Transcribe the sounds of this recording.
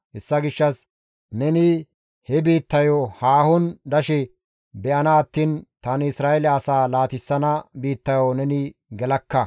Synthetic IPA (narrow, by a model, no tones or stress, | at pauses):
hɛsːɐɡɪʃːɐs | nɛnɪ | hɛbiːt̪ːɐjɔhaːhʊnd̪ɐʃɛ | bɛʔɐnɐːt̪ːiːnt̪ɐnɪsɾaːʔɛlɛɐsaːlaːt̪ɪsːɐnɐbiːt̪ːɐjɔnɛnɪɡɛlɐkːɐ